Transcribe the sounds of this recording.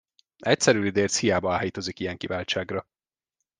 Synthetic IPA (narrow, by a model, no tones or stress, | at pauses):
ʔɛc̚sɛɾylid̪eːrt̪shijaːbɒaːjit̪ozikijɛŋkivaːlt͡ʃaːɡrɒ